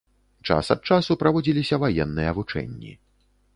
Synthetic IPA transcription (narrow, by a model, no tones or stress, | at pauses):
t͡ʂa̰sɐt̪̚t͡ʂasupɾavɔd͡zʲilʲisʲɐvajɛnːɨjɛvut͡ʂɛ̰nʲːḭ